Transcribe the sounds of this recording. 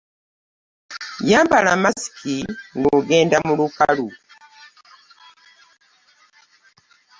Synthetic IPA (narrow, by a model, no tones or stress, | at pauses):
jambalamasi̥kʰiŋɡuɡɛndamulukalu